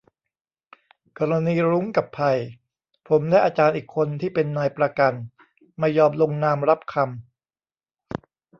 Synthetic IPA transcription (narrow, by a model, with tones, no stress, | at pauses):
kɔː˧ɾa˧niː˧ɾuː˦˥ŋka˨˩pʰːa˧j | pʰo˩˦mlɛː˦˥˩jʔaː˧t͡ɕaː˧nʔiː˨˩kʰːo˧nt̪ʰiː˥˩pe˧nːaː˧jpɾa˧ka˧n | maː˧jɔː˧mlo˧ŋnaː˧mɾa˦˥p̚kʰa˧m